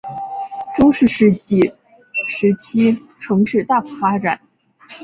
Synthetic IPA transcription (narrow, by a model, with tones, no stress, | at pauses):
ʈ͡ʂʊ˥ŋʂɻ̩˥˩ʂɻ̩˥˧i˥˩ | ʂɻ̩˧˥t͡ɕʰi˥ | ʈ͡ʂʰɤ˧˥ŋʂɻ̩˥˧t̪a˥˩ku˨˩fa˥ʈ͡ʂa˨˩˦n